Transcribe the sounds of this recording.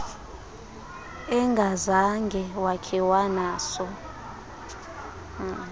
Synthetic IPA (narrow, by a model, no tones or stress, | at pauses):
ɛŋɡʱazaŋɡʱɛwakʰɛwanaːsɔ